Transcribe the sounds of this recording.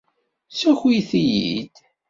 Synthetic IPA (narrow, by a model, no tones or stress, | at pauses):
sæçwiθijḭd̪